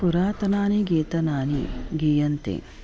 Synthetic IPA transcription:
puɾaːt̪ɐnaːniɡeːt̪ɐnaːnḭɡiːjɐnt̪ḛ

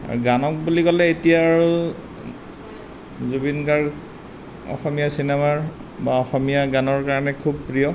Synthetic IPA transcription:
a̰ɹuɡanɔk̚bulikɔlɛetijaːɹu | zubinkaɹ | ɔ̰xɔmijasinɛmaɹ | baɔxɔmijaɡanɔɹkaɹɔnɛkʰubpɹijɔ

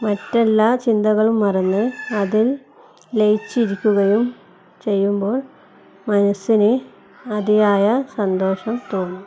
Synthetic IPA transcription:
mɐtːelːaːt͡ɕind̪ɐɣɐɭumːɐrɐnːɨɐðil | lejt͡ɕːiɾikʲːuɣɐjum | t͡ɕe̞jːumbo̞ːɭ | mɐnɐsːinɨ | ɐðijaːjɐsɐnd̪o̞ːʂɐmt̪oːnːu

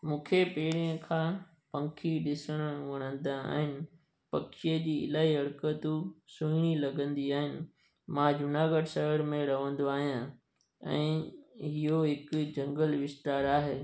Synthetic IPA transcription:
mũːkʰepeːɽijə̃kʰãː | pɐ̃ŋkʰiɗɪsəɽ̃ʊʋɐɽ̃ə̃nd̪aa̰ːɦɪnɪ̆ | pɐkʃied͡ʑiːɪ̰laːɦiɐɽkət̪usũɽ̃ilɐɡə̃nd̪iaːɦɪnɪ̆ | mãd͡ʑʊnaːɡəʈsɐɦəɽmẽɾɐʋə̃nd̪oaːɦijã | ɛ̰̃ːɦɪɦoɦɪkʊd͡ʑɐ̃ŋɡəlʋɪst̪aːɾaːɦeː

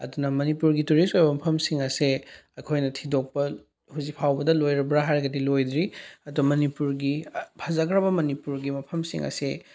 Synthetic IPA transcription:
ɐ̰dunɐmɐnipuɾɡituɾistojbɐmɐpʰɐmsiŋɐseɐjkʰojnɐtʰidok̚pɐ | huzik̚pʰawbɐdɐlojɾɐbɾɐɦajɾɐɡɐdilojdɾiɐdumɐnipuɾɡipʰɐzɐɡɾɐbɐmɐnipuɾɡimɐpʰɐmsḭŋʔɐ̰se

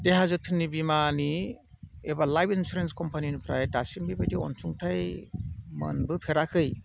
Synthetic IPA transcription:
deɦazɯtʰɯnːibimani | ebalajbinsuɾenskɔmpʰaninupʰɾa̰jdasiŋbibadiɔ̰nsʰuŋtʰaj | mɯ̰nbɯpʰeɾakʰɯj

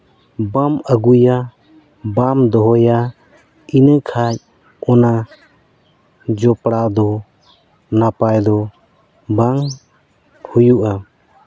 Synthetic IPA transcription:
baməɡuja | bamd̪ɔɦɔja | inəkʰac̚ | ɔna | d͡ʒɔpɽaʔd̪ɔ | napajd̪ɔ | baŋ | hujuʔa

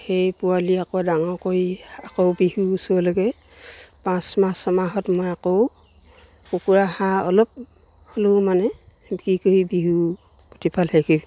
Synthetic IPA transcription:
xejpualiakɔdaŋɔkoiakowbiɦuːsuɔloɡɛ | pãsmasɔmaɦɔtmojakow | kokuɹahãɔ̰lɔp̚ | holomanɛ | bkikoibiɦu | potipʰalhɛkib

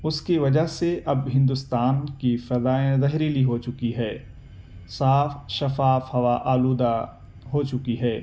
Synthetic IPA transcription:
ʊskiʋɐd͡ʒaɦseʔɐbɦɪ̃nd̪ʊst̪aːnkifɐzaːẽzɐɦɾiːliɦot͡ʃʊkiɦɛː | saːfʃɐfaːfhɐʋaʔaːluːd̪a | ɦot͡ʃʊkiɦɛː

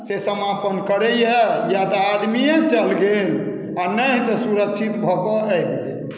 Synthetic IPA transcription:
sesəmapənkəɾɛjejat̪ɔad̪mijẽt͡ʃəlɡel | anəɦt̪ɔsuɾəkt͡ʃʰit̪bʱɔkɔɛkd͡ʒe

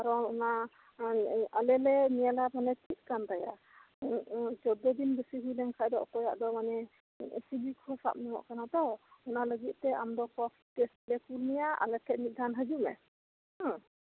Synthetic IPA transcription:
aɾɔɔna | alɛlɛnijalamanɛt̪ʰit̪̚kant̪aja̰ | d͡ʒɔd̪ɔd̪inbəsiɦilɛŋkʰajd̪ɔ̰ʔɔ̰kɔjaʔd̪ɔmanɛ | sibikʰɔsa̰p̚niwɔ̰ʔkanat̪ɔwɔnaləɡit̪̚t̪ɛa̰md̪ɔkɔ | tɛslɛkulnijaa̰lɛkʰɛt̪̚mit̪̚d̪anɦəd͡ʒumɛ̰

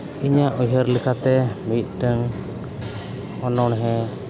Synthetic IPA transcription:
iɲaʔujɦəɾlikʰat̪ɛmit̪̚ˀʈəŋ | ɔnɔɳɦɛ̃

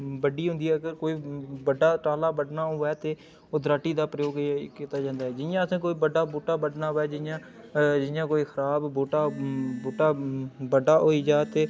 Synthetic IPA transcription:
bəɖiːɦʊnd̪iːɦɛːəɡəɾkoːiːbəɖaːʈaːlaːbəɖnaːoːʋɛːt̪eː | oːd̪ɾaːʈːiːd̪aːpɾəjoːɡkiːt̪aːd͡ʒãːnd̪aːɦɛːd͡ʒɪnjãːəsãːk̬oːiːbəɖaːboːʈaːbəɖnaːʋɛːd͡ʒɪnjãː | d͡ʒɪjãːkoːiːxʰəɾaːbboːʈaːboːʈaːbəɖaːʔoːiːd͡ʒaːt̪eː

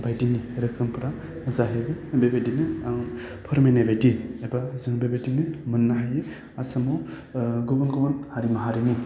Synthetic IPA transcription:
bajdiniɾɯkʰɾɯmpʰɯɾa | zaɦebɯbebajdinɯŋ | pʰɯɾmenabajdiebazɯŋbebajdinɯmɯnːaɦaje | asamɔ | ɡɔbɔnɡɔbɔnhaɾimaɦaɾini

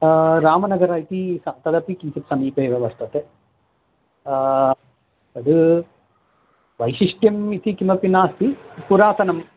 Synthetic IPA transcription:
ɾaːmɐnɐɡɐɾɐit̪isɐt̪ɐd̪ɐpikinsipsɐmiːpɐiʋɐʋɐst̪ɐt̪e | ɐd̪ɨ | ʋɐjʃiʂʈjɐmit̪ikimɐpinaːst̪ipuɾaːt̪ɐnɐm

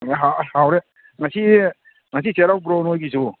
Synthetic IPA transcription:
ɦahawɾe | ŋasi | ŋasiseɾawp̬ɾonojkisu

